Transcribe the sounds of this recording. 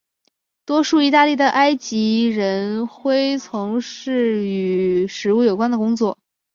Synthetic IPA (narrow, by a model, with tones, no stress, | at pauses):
t̪wɔ˥ʂu˥˩i˧˥t̪a˥˧li˥˩d̪ə˩ʔa˥ɪt͡ɕi˧˥ɻə˧˥nxwe˥ɪt͡sʰʊ˧˥ŋʂɻ̩˥˩y˨˩ʂɻ̩˧˥u˥˩jo˨˩kwa˥nd̪ə˨kʊ˥ŋt͡swɔ˥˩